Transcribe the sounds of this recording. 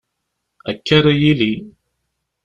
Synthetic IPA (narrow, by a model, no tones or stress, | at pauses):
ækːaɾajili